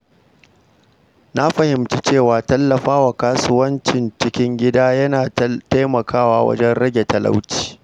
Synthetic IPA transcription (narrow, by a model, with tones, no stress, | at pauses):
na˦ɸɐ˨hɪ˨mt͡ʃi˦t͡ʃeː˦˨waː˨tɐ˦lːɐ˨ɸaː˦wa˨kaː˦sʊ˦wɐ˦nt͡ʃɪ˨nt͡ʃɪ˦kʲɪ˦ŋɡʲɪ˦daː˦jɐ˦naː˨ta˦jmɐ˨kʰaː˦waː˦wɐ̰˦d͡ʒɛ˦nɽɐ˦ɡʲe˨tɐ˨lʔa̰˦wti̥ː˨